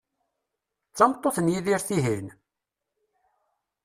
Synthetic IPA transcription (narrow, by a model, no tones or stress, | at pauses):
t͡sːɑmt̪ˤːoθənjiðiɾθiɦin